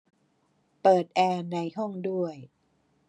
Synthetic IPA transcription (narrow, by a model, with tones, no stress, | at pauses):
pɤː˨˩t̪̚ʔɛː˧na˧jɦɔ˥˩ŋdu˥˩əj